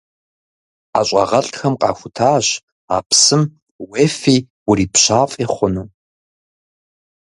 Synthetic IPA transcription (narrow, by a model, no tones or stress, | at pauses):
a̰ːɕʷʼɑ̰ʁɐɬxɐmqʼɑ̰ːxʷʊtʰaːɕ | a̰ːpsɨm | weːfiː | wʊriːpɕaːfʼiːχʷʊnɨ